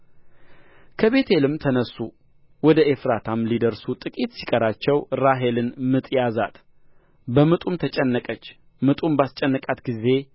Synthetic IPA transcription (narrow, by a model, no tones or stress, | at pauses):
kʰəβe̞t̪ʰelɨmt̪ʰənəsu | wɔd̪əefɾat̪ʰamlid̪əɾsut̪ʼɨkʼit̪si̥kʼəɾat͡ʃːɛwɾaɦe̞lɨnmɨt̪ʼjaza̰t̪ | bəmɨt̪ʼumt̪ʰət͡ʃʼɛnːəkʼət͡ʃː | mɨt̪ʼumbast͡ʃʼɛnːəkʼat̪ɡize̞